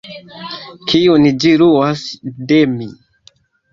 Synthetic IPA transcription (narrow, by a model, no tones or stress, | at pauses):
kʰiunid͡ʒiɾuasdemi